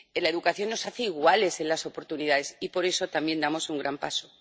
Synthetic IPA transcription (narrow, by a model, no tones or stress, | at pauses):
elae̞ðukaθjo̞nːo̞saθeiɣwale̞se̞nlaso̞po̞ɾt̪unið̞aðe̞sipo̞ɾe̞so̞t̪ambje̞nd̪amo̞suŋɡɾʔampaso̞